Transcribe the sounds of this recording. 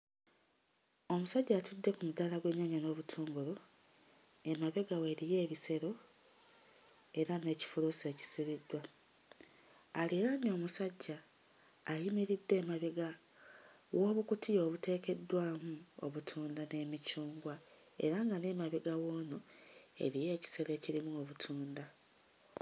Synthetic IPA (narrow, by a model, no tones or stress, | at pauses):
o̞musaɟːaːtudːe̞kumudalaɡwe̞ɲːaɲano̞ːβutʰoːŋɡolo̞ | e̞maβe̞ɡawe̞ːɾije̞ːβise̞ɾo̞ | e̞ɾane̞ːci̥fuluse̞ːci̥siβidːwa | leɾano̞ːmusaɟːaː | jimiɾidːe̞ːmaβe̞ɡa | wʔo̞ːβukutio̞ːβute̞ːke̞dːwaːmuo̰βutʰuːndane̞ːmicuːŋɡwa | e̞̰ɾaŋɡane̞ːmaβeɡawo̞ːnoe̞̰ɾije̞ːci̥se̞ɾe̞ːciɾimuoβutʰuːnda